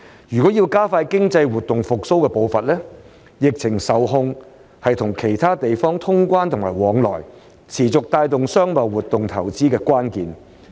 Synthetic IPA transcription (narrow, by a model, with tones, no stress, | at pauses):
jyː˨kɔ˨˥jiː˧wkaː˥faː˧jkɪ˥ŋt͡sɐ˧jwuː˨t̪ːʊ˨ŋfʊ˨k̚so˥wkɛː˧po˧wfɐ˨t̚lɛː˥ | jɪ˨k̚t͡sʰɪ˨˩ŋsɐ˨˧wɦʊ˧ŋ | hɐ˨jt̪ʰʊ˨˩ŋkʰe˨˩jt̪ʰaː˥t̪e˨jfɔː˥ŋt̪ʰʊ˥ŋkʷaː˥nt̪ʰʊ˨˩ŋmaː˨˩jwɔː˨˧˥ŋlɔ̰ː˨˩j | t͡sʰiː˨˩t͡sʊ˨k̚t̪aː˧jt̪ʊ˨ŋsœː˥ŋmɐ˨wwuː˨t̪ːʊ˨ŋt̪ʰɐ˨˩wt͡siː˥kɛː˧kʷaː˥nkiː˨n